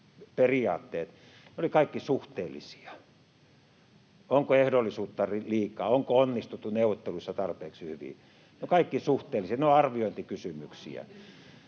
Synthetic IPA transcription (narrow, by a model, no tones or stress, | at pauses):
periɑ̰ːt̪ːeːt̪ | neolikɑikːisuht̪eːlːˑḭsi̥ɑ | oŋkoehdolːˑisuːt̪ːɑriliːkɑːoŋkoonːist̪ut̪ːuneuʋˑot̪ːeluisːɑt̪ɑrpeːksihyʋḭ | neokɑikːisuht̪eːlːˑisiɑneoɑrʋioint̪ikysymyksḭæ̰